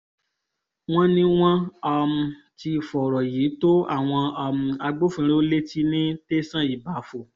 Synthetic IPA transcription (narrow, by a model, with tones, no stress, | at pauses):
w̃ɔ̃˦nĩ˦w̃ɔ̃˦a˧m̩̃˧ | ti˧fɔ˨ɾɔ˨ji˨˦to˦a̰˦˨w̃ɔ̃˧a˧m̩̃˨˧a˧ɡ͡bo˦fũ˧ɾe˦o˦le˦ti˦nĩ˦te˦sã˦˨i˨ba˨˦fo˧˨